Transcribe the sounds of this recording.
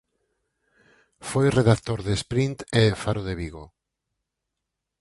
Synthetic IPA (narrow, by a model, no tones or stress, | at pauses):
fojreðakt̪oɾðespɾint̪eðefaɾoðeβiɣo